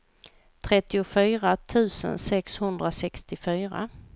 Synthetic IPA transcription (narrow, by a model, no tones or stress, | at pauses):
t̪ʰɾɛt̪ːɪʊfyːɾat̪ʰʉ̟ːsə̰nsɛkshɵnd̪ɾasɛkst̪ɪfyːɾa̰